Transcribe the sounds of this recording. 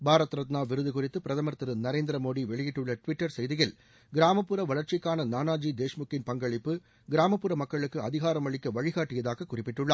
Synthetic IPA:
bʱaːɾɐt̪ːɾɐt̪naːʋɪɾɯðɯɣʊrɪt̪ːɯpɪɾɐðɐmɐɾt̪ɯɾɯnɐɾeːnd̪ɪɾɐmoːðiʋɛɭɪjɪʈːɯɭːɐʈʋɪʈːɐɾsɛjðɪɣɪl | ɡɪɾaːmɐpːɯɾɐʋɐɭɐɾt͡ʃɪkːaːnɐnaːnaːd͡ʒiːd̪eːʂmʊkːɪnpɐŋɡɐɭɪpːɯ | ɡɪɾaːmɐpːɯɾɐmɐkːɐɭɯkːɯɐðɪɣaːɾɐmɐɭɪkːɐʋɐɻɪɣaːʈːɪjɐðaːɣɐkːʊrɪpːɪʈːɯɭːɐ

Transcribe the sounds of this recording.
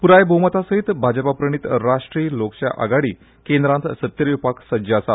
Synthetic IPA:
puɾajbʱəmət̪asəɦit̪bʱad͡ʑəpapɾəɳ̃it̪ɾaʂʈɾiːlokɕa̰ʔa̰ɡaɽiː | kend̪ɾãnt̪sət̪jəɾʋipaksəd͡ʑaəsa

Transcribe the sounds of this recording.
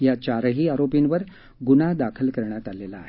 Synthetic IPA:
jat͡ɕaɾəɦiːaɾopinʋəɾ | ɡunad̪akʰəlkəɾɳjat̪alelaːɦe

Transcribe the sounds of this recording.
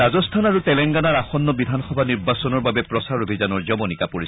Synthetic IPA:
azɔstʰanaɹutɛlɛŋɡanaɹaxɔnːɔbidʱanxɔbʱaniɹbasɔnɔɹbabɛpɹɔsaɹobʱizanɔɹzɔbɔnikapoɹis

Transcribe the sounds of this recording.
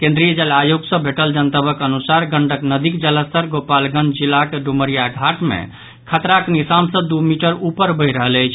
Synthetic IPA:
kẽnd̪ɾijəd͡ʒəlajoɡsə̃bʱeʈəld͡ʒənt̪əbəkənusaɾɡəɳɖəknəd̪ikd͡ʒələst̪əɾɡopalɡə̃nd͡ʒd͡ʒilːakeɖuməɾijaɡʱaʈmḛ̃ | kʰət̪ɾaknisamsə̃d̪umiʈəɾupəɾbəɪɾəɦələjt͡ʃʰ

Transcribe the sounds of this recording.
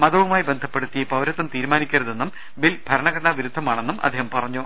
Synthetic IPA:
mɐðɐʋumaːjibe̞nd̪ʱɐpːe̞ɽut̪ːijɐpɐwɾɐt̪ːɐmt̪iːɾmaːnikʲːɐɾɐðenːum | bilbʱɐɾɐɳɐɣɐnːaʋiɾud̪ʱːɐmaːɳe̞nːumʔɐ̰d̪ʱːeːhɐmpɐrɐɲːu

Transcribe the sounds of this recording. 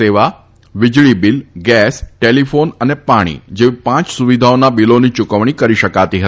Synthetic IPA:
eʋa | ʋɪd͡ʒɭibilɡɛsʈelifonənepaɽ̃ḭd͡ʒeʋipãt͡ʃsuʋid̪ʱaonabilonit͡ʃʊkəʋɽ̃ikəɾiʃəkat̪iɦəi

